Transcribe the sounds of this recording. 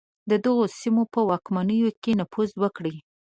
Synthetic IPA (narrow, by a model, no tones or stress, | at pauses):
d̪əd̪əɣosimopəwɑkmanəjokenafuzwəkɽi